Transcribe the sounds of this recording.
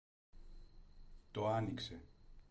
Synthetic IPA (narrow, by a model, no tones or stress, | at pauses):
t̪oanikse